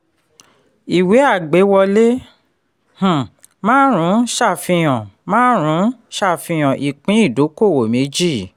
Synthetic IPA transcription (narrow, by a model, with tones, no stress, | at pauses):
i˨we˨˦a˦˨ɡ͡be˨˦wɔ˧le˦ | h̩˨ | mãː˦ɾ̃ũ˨˦ʃa˦˨fĩ˧j̃ɔ̃˨mãː˦ɾ̃ũ˨˦ʃa˦˨fĩ˧j̃ɔ̃˨ʔi˨k͡pĩ˨˦i˦˨do˨˦ko˦˨wo˨mẽ˨˦d͡ʒi˦˨